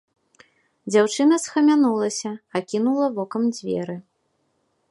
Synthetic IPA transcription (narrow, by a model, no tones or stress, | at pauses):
d͡zʲawt͡ʂɨnɐsxɐmʲanulˠɐsʲɐːkʲinulˠɐvɔkɐmd͡zʲvʲɛ̰ɾɨ